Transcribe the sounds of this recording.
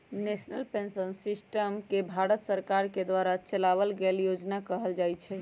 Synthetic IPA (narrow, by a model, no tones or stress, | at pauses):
nesnəlpensənsisʈəmkebʱaɾət̪səɾkaɾked̪ʋaɾat͡ʃəlaβəlɡeljod͡ʒnakəɦəld͡ʒajt͡ʃʰɛ